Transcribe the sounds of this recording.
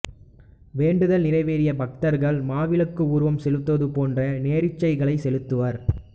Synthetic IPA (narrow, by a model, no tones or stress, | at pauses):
ʋeːɳɖɯðɐlnɪrɐɪʋeːɾɪjɐbɐk̚t̪ɐɾɣɐɭmaːʋɪlɯkːɯuːɾɯʋɐmsɛlɯt̪ːʋɐðɯpoːndrɐneːɾɪt͡ʃːɐɪɣɐɭɐɪsɛlɯt̪ːɯʋɐɾ